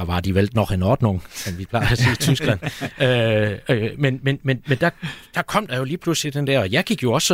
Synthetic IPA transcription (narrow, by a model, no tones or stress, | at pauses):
ɑʋɑ̈d̥iʋeld̥nɒɡ̥enɒːd̥noŋsɒmʋipʰlɑ̈ɪæseːit͡sʰysɡ̥læn̰øømenmenmenmend̥æ̈d̥ɑ̈kʰɒ̽m̰d̥ɑ̈jo̝liːpʰluslid̥end̥ɛɐ̰ɒ̽jɑ̈ɪɡ̥iɡ̥jo̝ɒ̽s